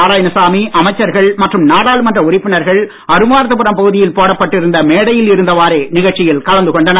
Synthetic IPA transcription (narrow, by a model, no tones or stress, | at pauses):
aːɾaːjɐnɐsaːmiʔɐmɐɪt͡ʃːɐɾɣɐɭmɐʈrɯmnaːɽaːlɯmɐndrɐʊɾɪpːɪnɐɾɣɐɭ | ɐɾɯmaːɾɐt̪̬ːɯpɯɾɐmpɐɣɯðɪjɪlpoːɽɐpːɐʈːɪɾɯnd̪ɐmeːɽɐjɪlɪɾɯnd̪ɐʋaːɾeːnɪɣɐɭt͡ʃːɪjɪlkɐlɐnd̪ɯkɔɳɖɐnɐ